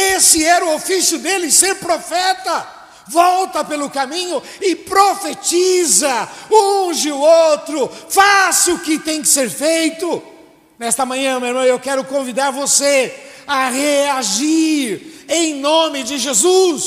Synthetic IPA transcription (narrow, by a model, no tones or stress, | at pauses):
esɪɛɾʊofisjʊd̪elɪseɾpɾofɛt̪ɐ | vɔwt̪ɐpelʊkamĩɲʊ | ɪpɾofet͡ʃizɐũʒɪʊowt̪ɾʊfasʊkɪt̪ẽj̃kɪ̥seɾfejt̪ʊ | nɛst̪ɐmɐ̃ɲɐ̃meeɾmɐ̃w̃ewkɛɾʊkõvid̪aɾvose | ɐʁeaʒiɾẽj̃nõmɪd͡ʒɪʒezus